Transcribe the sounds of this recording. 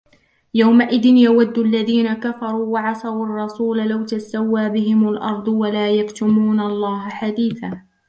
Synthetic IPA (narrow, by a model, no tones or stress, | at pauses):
jawmaʔɪðɪnjawad̪ːʊʔalːaðiːnakafɑɾˤuːwɑʕɑsˤɑwʔɑrˤːɑsuːlalawt̪asawːaːbɪɦɪmalʔɑ̰ɾˤd̪ˤwalaːjakt̪ʊmuːnalˤːɑːɦaħad̪iːθaː